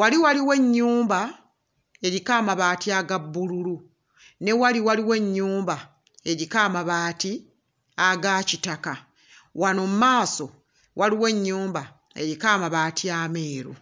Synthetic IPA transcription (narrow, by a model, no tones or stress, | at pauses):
waliwaliwe̞ɲːuːmba | e̞ɾikaːmaβaːtiaɡabːululu | ne̞waliwaliwe̞ɲːuːmba | e̞ɾikaːmaβaːti | aɡaːcitaka | wanomumaːso̞ | wʔaliwe̞ɲːuːmba | e̞ɾikaːmaβaːtiaːme̞ːɾṵ